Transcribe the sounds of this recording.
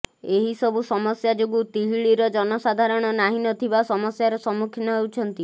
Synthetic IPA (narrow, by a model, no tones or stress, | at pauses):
eɦisɔbusɔmɔsjad͡ʒoɡut̪iɦiɭiɾɔd͡ʒɔnɔsad̪ʱaɾɔɽ̃ɔnaɦinɔt̪ʰibasɔmɔsjaɾɔsɔmukʰinɔɦewt͡ʃʰɔnt̪i